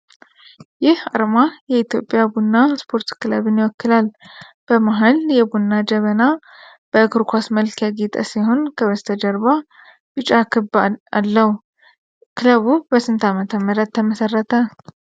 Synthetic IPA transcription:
jɪha̰ɾmajɛit̪jo̞pʼjabunːaspʰo̞ɾt̪kɨləβɨnjɪwɔkːɨlal | b̥əmaɦaljɛbunːad͡ʒəβəna | b̥əɨkɨɾkʰʷasməlkʰjaɡit̪ʼə̰siho̞nkʰəβəst̪ʰəd͡ʒəɾba | bɨt͡ʃʼakʰɨba̰lːəhu | kʰɨləβubəsɨnt̪ʰamət̪ʰəmːəɾət̪ːəməsərːət̪ʰə

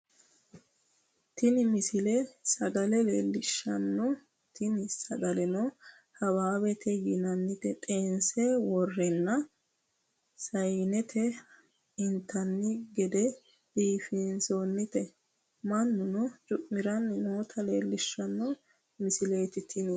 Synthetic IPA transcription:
t̪ɪnɪmɪsɪlesɐɡɐlɛleːlːɪʃːɐnːɔ | t̪ɪnɪsɐɡɐlɛno | hɐwaːwɛt̪ʰɛɡɪnɐnːɪt̪ɛt̪ʼeːnsewɔrːɛnːɐ | sɐjnɛt̪ʰɛ | ɪnt̪ʰːɐnːɪɡɛd̪ɛ | d̥iːfɪnsoːnːɪt̪ɛ | mɐnːʊnɔt͡ʃʼʊʔmɪɾɐnːmoːt̪ʰɐleːlːɪʃːɐnːɔ | mɪsɪle̞ːt̪ɪt̪ʰɪnɪ

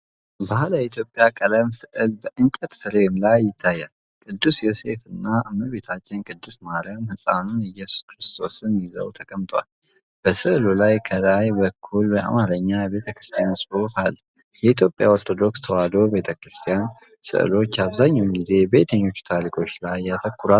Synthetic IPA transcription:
bahləjɛit̪ʰjo̞pʼːjakʼələmsɨʔɨlbəʔɨŋt͡ʃʼɛt̪fɨɾemlajːɪt̪ʰːajːal | kʼɨd̪ːusjo̞se̞fɨnːaʔɨmːɨbe̞t̪ʰat͡ʃːɪnkʼɨd̪ːusmaɾjamhɨsʼa̰nunɪjːɛsu̥skɾɨst̪ʰo̞sɨnjɪzə̰wt̪ʰəkʼəmt̪ʰʼwa̰l | b̥əsɨʔɨlulajkʰəlajbəkʰːulbəʔa̰maɾəɲːajɛβe̞t̪ʰəkɾɨ̥st̪ʰijansʼɨufal | jɛit̪ʰjo̞pʼja̰o̞ɾt̪ʰo̞d̪o̞kst̪ʰəwad̪o̞be̞t̪ʰəkɾɨst̪ʰijansɨ̰ʔɨ̰lo̞t͡ʃːaβzaɲːawnɡize̞bet̪ʰəɲːo̞t͡ʃːu̥t̪ʰaɾikʰʼo̞t͡ʃːlajjːat̪ʰəkːɨɾal

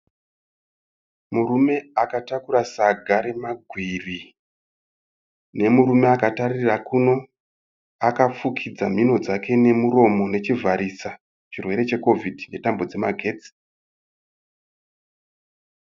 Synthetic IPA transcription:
muɾume̞akatakuɾasaɡʱaɾe̞maɡʱwiri | ne̞muɾume̞akatarirakuno̞ | akap͡fukʰid͡zam̤ino̞d͡zake̞ne̞muɾo̞mo̞ne̞t͡ʃivʱaɾisa | t͡ʃirwe̞ɾe̞t͡ʃe̞ko̞vʱidʱne̞tambo̞d͡ze̞ma̰ɡʱe̞ːt͡si̥

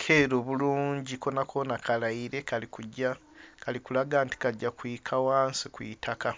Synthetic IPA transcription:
kʰe̞ːɾoβuluːɲɟiko̞nakʰonakʰalaiɾe̞kalikuɟa | kalikulaɡaːnti̥kaɟːakwiːkʰawaːnsikwḭtʰaka

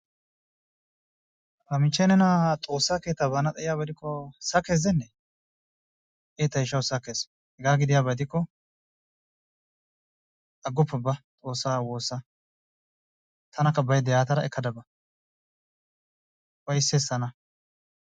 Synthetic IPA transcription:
hɐmɪt͡ʃːɛnɛnat̪ʼo̞ːsːaːke̞ːt̪ːɐbɐnɐt̪ʼɐʔɪjaːbɐd̪ɪkːɔsɐkeːzɛnːɛ | ʔeːt̪ːɐɪʃɐwsɐkːeːs | hɛɡaːɡɪd̪ɪjaːbɐd̪ɪkːɔ | ʔɐɡʊpːɛbɐt̪ʼo̞ːsːaːwo̞ːsːɐ | t̪ʰɐnɐkːɐbɐjd̪ɛjaːt̪ɐɾɐɛkːɐd̪ɐbɐ | wɐjsːeːsːɐnɐ

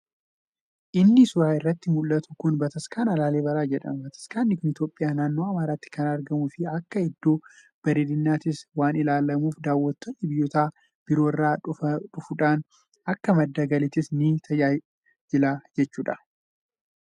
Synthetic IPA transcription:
ʔɪnːɪsʊɾaːɪrːɐt̪ːɪmʊlːɐt̪ʊ̥kʊnbɐt̪ɐskaːnɐlaːle̞ːbɐɾaːd͡ʒɛᶑɐ̰mbɐt̪ɐ̥skaːnːɪkʊnɪt̪jo̞ːpʼːɪjaːnaːnːoːɐmaːɾaːt̪ːɪ̥kɐnɐɾɡɐmufɪɐkːɐɛd̪ːo̞ː | b̥ɐɾɪd̪ɪnːaːt̪ɪswaːnɪlaːlɐmuːfd̪aːwːɐt̪ːɔnːɪbɪjːɔt̪aː | b̥ɪɾo̞ːɪrːaːᶑʼʊfʊᶑaːn | ɐkːɐmɐd̪ːɐɡɐlɪt̪ɪsnit̪ʰɐjaːj | d͡ʒɪlaːd͡ʒɛt͡ʃːuːᶑɐ̥

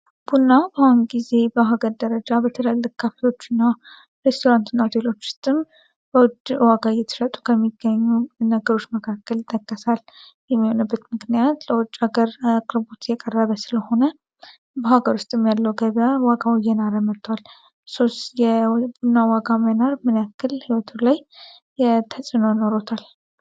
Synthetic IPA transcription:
b̥unːabahunɡize̞bəɦaɡəɾd̪əɾəd͡ʒabət̪ʰələlːɨkkʰːafeo̞t͡ʃːɪnːa | ɾest̪ʰo̞ɾant̪ʰunːad̪ʰelo̞t͡ʃːʊ̥st̪ʼɨm | bəwʊd̪waɡajɛt̪ʰɨ̥ʃət̪ʼu̥kʰəmːiɡəɲːunəɡəɾo̞t͡ʃːməkʰakʰːəlɪt̪ʼːəkʼːəsaljɛmːiho̞nəbːət̪mɨknijat̪ləwɔt͡ʃʼːaɡəɾkʼɨɾbut̪ʰjɛkʼərːəβəsɨləho̞nə | bəhaɡəɾʊst̪ʼɨmjalːəwɡəβawaɡawijːɛnaɾəmət̪ʰʼːwal | sost̪jɛbunːawaɡamənaɾmɨnjakːɨlhiwɔt̪ʰulaj | t̪ʰəsʼɨnojno̞ɾot̪ʰal

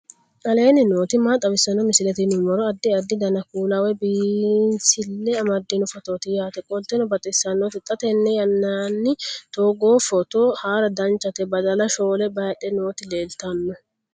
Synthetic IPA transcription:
kʼɐle̞ːnɪno̞ːt̪ɪmaːt̪ʼɐbɪsɐnɔmɪsɪlɛt̪inʊmɔɾɔɐd̪ːɪɐd̪ːɪd̪ɐnɐkuːlɐwɛbiːnsɪlːɛɐmɐd̪ːinʊfɔt̪oːt̪ɪjaːt̪ɛkʼɔlt̪ːɛnɔbɐt̪ʼɪsːɐnːot̪ɪt̪ʼːɐt̪ɛnːɛjɐnːanːɪt̪oːɡoːfɔt̪oːhaːɾɐd̪ɐnt͡ʃːɐt̪ɛbɐd̪ɐlɐʃo̞ːlɛbɐjɐᶑɛno̞ːt̪ɪle̞ːlt̪ɐnːɔ

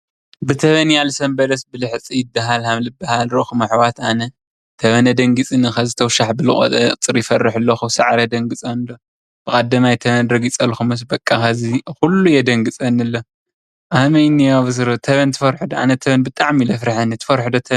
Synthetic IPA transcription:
bɨt̪ʰɐβɐnjalsɐmbɐlɐsbɨlɨħt͡sʼijɪbːaɦalhamlɨbːahalɾoxumɐħwat̪anɐ | t̪ʰɐβɐnɐd̪ɐŋɡɨt͡sʼinɨxɐzɨt̪ʰɐwʃaħbɨlɨχʼo̰t̪ʼɐt͡sʼɨɾjɪfɐrːɨħɨlːoxusɐʕɾɐd̪ɐŋɡɨt͡sʼɐnɨlo | b̥ɨkʼad̪ːɐmajt̪ʰɐβɐnɾɐɡit͡sʼɐlxumɨs̬bɐkʼːaxɐzixulːujɛd̪ɐŋɡɨt͡sʼɐnːɨlːo | ʔamɐjnijaβɨs̬ɨɾt̪ʰɐβɐnt̪ʰɨfɐɾħɨd̪oa̰nɐt̪ʰɐβɐnbɨt̪ʼaʕmilɐfɾɨħanɨt̪ʰɨ̥fɐɾħɨd̪ot̪ʰɐn

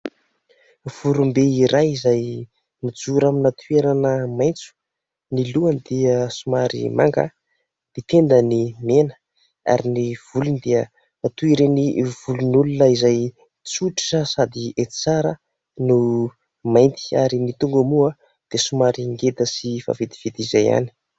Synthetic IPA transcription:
v̥uɾumbeiɾajizaj | nud͡zuɾaminat̪ʰueɾanəmajnt͡su̥ | niluənd̪iəsumaɾḭma̰ŋɡa̰ | d̪̥it̪end̪ənimenə̥ | a̰ɾiniv̥ulunid̪eə | at̪uiɾeniv̥ulunulunəizaj | t͡suʈ͡ʂi̥ʈ͡ʂəsad̪iet̪i̥t͡saɾə | nu | majnt̪i̥aɾinit̪uŋɡəmua | d̪̥esumaɾiŋɡed̪əsifa̰ved̪iv̥id̪izaja̰ni̥

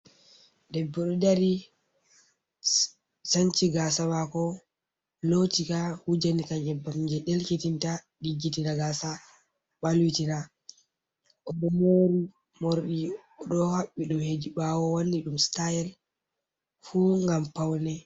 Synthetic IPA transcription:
dɛbːɔɗɔdaɾi | sant͡ʃiɡasawakɔ | lotikahud͡ʒanikaɲɛbːamd͡ʒɛɗelkitinta | ɗiɡːitinaɡasa | ɓalwitina | ʔɔɗɔmoɾi | moɾɗiɔɗɔhaɓːiɗumhediɓawɔwonːiɗumstajɛl | fuŋɡampawnɛ

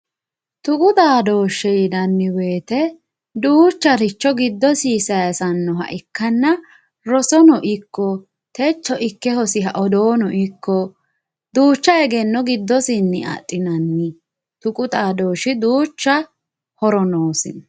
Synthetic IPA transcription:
t̪ʊkʼʊt̪aːd̪o̞ːʃːɛjdɐnːɪwe̞ːt̪ɛ | d̪uːt͡ʃːɐɾɪt͡ʃːɔɡɪd̪ːɔsiːsɐjɐsɐnːɔɦɐ̰ʔɪkːɐnːɐ | ɾɔsɔnɔʔɪkːɔ | t̪ɛt͡ʃːɔʔɪkːɛhɔsɪɦɐʔɔd̪oːnɔʔɪkːɔ | d̪uːt͡ʃːɐɛɡɛnːɔɡɪd̪ːɔsɪnːɪɐ̰tʼːɪnɐnːɪ | t̪ʊkʼʊt̪ʼaːd̪oːʃɪd̪uːt͡ʃːɐ | hɔɾɔnoːsɪn

